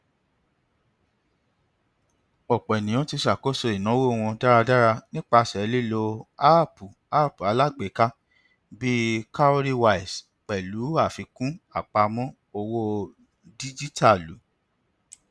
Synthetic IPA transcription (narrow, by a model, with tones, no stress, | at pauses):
ɔ˨k͡pɛ˨nĩ˨j̃ɔ̃˦ti˧ʃa˨ko˦so˧i˨nɔ̃˨˦wo˦˨w̃ɔ̃˧da˦ɾa˧da˦ɾa˧nĩ˦k͡pa˧˨sɛ˨˦li˦lo˧a˦˨pu˨ | a˦˨pu˨a˨˧la˦˨ɡ͡be˨˦ka˦ | bi˦ka˦o˦ɾi˦wa˦i˨s | k͡pɛ˨lu˨˦a˦˨fi˧kũ˦a˦˨k͡pa˧mɔ̃˦ | o˧wo˦ | di˦d͡ʒi˦tʰa˦˨lu˨˦